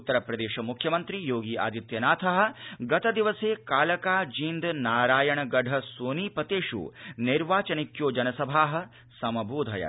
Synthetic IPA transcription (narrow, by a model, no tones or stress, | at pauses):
ut̪ːɐɾɐpɾɐd̪eːʃɐmukʰjɐmɐnt̪ɾijoːɡiːʔa̰ːd̪it̪jɐnaːt̪ʰɐɦɐ̆ɡɐt̪ɐd̪iʋɐseːkaːlɐkaːd͡ʒiːnd̪naːɾaːjɐɳɐɡɐɖʱɐsoːniːpɐt̪eːʃṵniɾʋaːt͡ʃɐnikjoːd͡ʒɐnɐsɐbʱaːɦɐ̆ | sɐmɐbʱuːd̪ʱɐjɐ̰